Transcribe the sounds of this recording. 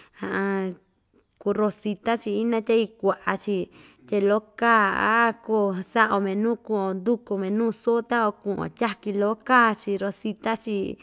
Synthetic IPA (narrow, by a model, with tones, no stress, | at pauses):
hã˧ʔã˧ | ku˧ɾo˧si˧t̪a˦t͡ʃi˧i˦nã˦t̪ʲa˦i˧kʷa˨ʔa̰˧t͡ʃi˧ | t̪ʲe˧lo˦kaː˦a̰˦ko˧sa˦ʔo˧mẽ˨nũː˦˨kũ˧õ˧nd̪u˦ku˧mẽ˨nũː˦so˦t̪a˦o˧kũ˧˨ʔõ̰˧˨tʲa˦ki˧lo˦kaː˦˧t͡ʃi˧ɾo˧si˧t̪a˦t͡ʃi˧